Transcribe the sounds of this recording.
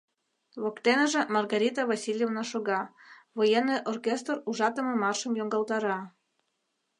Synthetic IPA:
βokt̪enəʒĕmɑrɣɑɾʲit̪əβɑsʲilʲjevnɑʃoɣɑβojeneʔorkʲest̪ruʒɑt̪ə̆mɤ̆mɑrʃə̆mjoŋɡɑlt̪ɑɾɑ

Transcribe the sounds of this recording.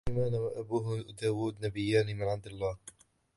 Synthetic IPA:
maːnawaʔabuːɦd̪aːwuːd̪nabɪjːaːniːmɪnʕabd̪alːaːh

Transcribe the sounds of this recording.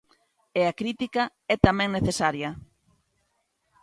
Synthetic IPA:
eakɾit̪ika | ɛt̪amɛ̃ŋneθesaɾjɐ

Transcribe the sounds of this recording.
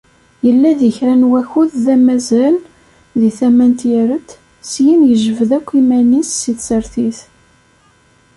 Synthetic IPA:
jəlːæðəçɾænwæçuððæmæzæl | ðiθæmænt̪jəɾət̪ː | sjinjəʒəvəðækʷːimænisːiθsəɾθiθ

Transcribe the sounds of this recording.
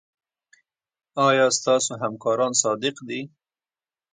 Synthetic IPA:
ɑjɑst̪ɑsoɦamkɑɾɑnsɑd̪ɪqd̪i

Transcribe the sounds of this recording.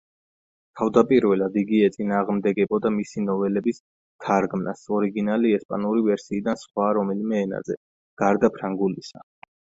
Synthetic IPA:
t̪ʰavd̪apʼiɾvɛlˠad̪iɡiɛt̪sʼinaːʁmd̪ɛɡɛbɔd̪amisinɔvɛlɛbis | t̪ʰaɾɡmna̰sɔɾiɡinaliɛspʼa̰nuɾivɛɾsiːd̪ansχwaɾɔmɛlimɛːna̰zɛ̰ | ɡ̥aɾd̪apʰɾaŋɡulisa

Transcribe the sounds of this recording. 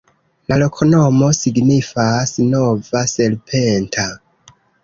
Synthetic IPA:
lalo̞kʰo̞no̞mo̞siɡnifasno̞vase̞lpʰentʰa

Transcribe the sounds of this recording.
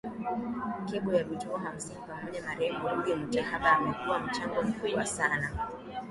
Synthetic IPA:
kɛɓɔjaɗut͡ʃuaɦam̩sinipamɔʄamaɾɛmɡɔujɔm̩tɛhaɓaːmɛkuwam̩t͡ʃaŋɡɔm̩kuɓwa̰sana

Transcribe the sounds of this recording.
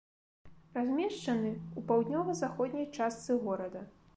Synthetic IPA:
razʲmʲɛʂt͡ʂɐnɨupawd̪ʲnʲɔvɐzaxɔd̪ʲnʲɐjt͡ʂast̪sɨɣɔɾɐd̪ɐ

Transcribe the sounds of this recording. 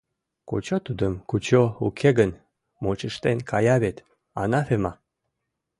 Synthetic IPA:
ko̰t͡ɕot̪ud̪əmkut͡ɕoukʰeɣən | mot͡ɕəʃt̪enkʰɑjɑβet̪ | ɑnɑfemɑ

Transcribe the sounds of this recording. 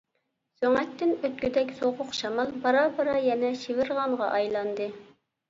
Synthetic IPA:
søŋɛt̪ʰːɪnøt̪kʲyd̪ɛkʲsoʁʊqʃɑmɑlˠbɑɾɑbɑɾɑjɛnɛʃivɪɾʁɑɴʁɑ̰ʔɑjlˠɑnd̪ɨ

